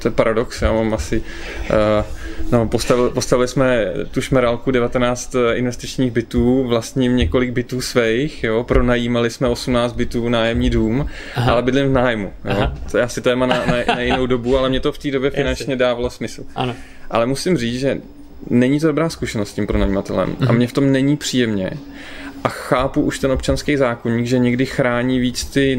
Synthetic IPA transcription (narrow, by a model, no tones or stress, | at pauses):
t̪ojɛpaɾadoksjaːmaːmasɪ | nɛpo̞st̪avɪlpost̪avɪlɪsmɛt̪uʃmɛɾalkudɛvat̪ɛnaːt͡st̪ɪnvɛst̪ɪt͡ʃɲiːɣbɪt̪uːvlast̪ɲɪmɲɛko̞lɪɡ̚bɪt̪uːsvɛjxjopɾonajiːmalɪsmɛo̞sumnaːt͡st̪̚bɪt̪uːnaːjɛmɲiːduːm | alɛbɪdlɪɱvnaːjmujojaːsɪt̪ɛjɛmanananajjɪnowdo̞bualɛmɲɛt̪oft̪iːdo̞bjɛfɪnant͡ʃɲɛdaːvalosmɪsl̩an | ʔa̰lɛmusɪmriːt͡sʒɛ | nɛɲit̪odobɾaːskuʃɛnost̪scimpɾonajiːmat̪ɛlɛ̰mʔa̰mɲɛft̪o̞mnɛɲiːpr̝̥iːjɛmɲɛ̰ | ʔaxaːpuʔuʃt̪ɛnop̚t͡ʃanskɛjzaːkoɲiːɡʒɛɲɛɡdɪxɾaːɲiːviːt͡st̪ɪ